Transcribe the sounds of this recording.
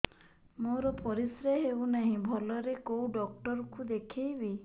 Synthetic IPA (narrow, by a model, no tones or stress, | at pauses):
moɾɔpɔɾisɾeɦewnaɦĩbʱɔlɔɾekowɖɔk̚ʈɔɾɔkud̪ekʰejbi